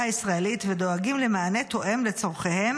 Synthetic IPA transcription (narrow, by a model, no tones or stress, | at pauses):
aisʁaelit̪vedo̞aɡimle̞maːne̞t̪o̞ʔe̞mle̞t͡so̞ʁχehe̞m